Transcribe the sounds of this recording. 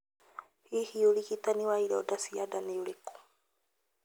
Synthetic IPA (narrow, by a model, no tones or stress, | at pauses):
hihiolikitaniwaiɾɔɔdasiadaniuleko̥